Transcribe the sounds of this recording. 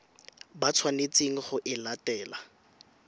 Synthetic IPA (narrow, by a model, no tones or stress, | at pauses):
bat͡sʰwanet͡seŋ̩χʊʔɪlatɛːla